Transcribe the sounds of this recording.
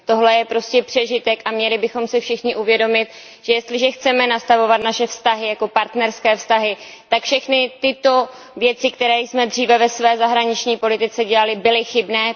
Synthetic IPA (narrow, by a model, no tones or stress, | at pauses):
t̪o̞ɦlɛjɛpɾo̞scɛpr̝̥ɛʒɪt̪ɛkʔamɲɛlɪbɪxo̞msɪfʃɪxɲɪʔuvjɛdo̞mɪt̪̚ | ʒ̥ɛjɛst̪lɪʒɛxt͡sɛmɛnast̪avo̞vat̪naʃɛfst̪aɦɪjako̞paɾt̪nɛɾskɛːfst̪aɦɪ | t̪akfʃɛxnɪt̪ɪt̪o̞ | vjɛt͡sɪkt̪ɛɾɛːjsmɛd̪r̝iːvɛvɛsvɛːzaɦɾaɲɪt͡ʃɲiːpo̞lɪt̪ɪt͡sɛɟɛlalɪbɪlɪxɪbnɛː